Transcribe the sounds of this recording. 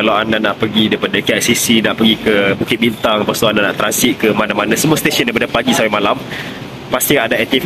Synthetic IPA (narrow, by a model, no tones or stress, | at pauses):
alawandanaʔpəɡidaipadəkiaʔ̪̚sisinaʔpəɡikəbukɪt̪̚bint̪aŋapasoandana̰ʔt̪ɾansit̪̚kəmanãmanãsəmũast̪esə̃ndajpadəpaɡisawamalam | past̪iadaɛt̪if